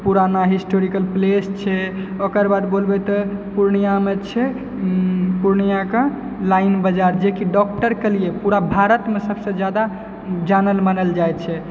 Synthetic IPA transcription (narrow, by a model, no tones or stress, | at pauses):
puɾanaɦisʈoɾikəlplest͡ʃʰɛokəɾbad̪bolbɛt̪ɔpuɾɳijamet͡ʃʰɛ | puɾɳijakə̃ | lainbəd͡ʒaɾd͡ʒekiɖɔk̚ʈəɾkelijepuɾabʱaɾət̪mesəbsẽd͡ʒjad̪a | d͡ʒanəlmənəld͡ʒajt̪t͡ʃʰɛ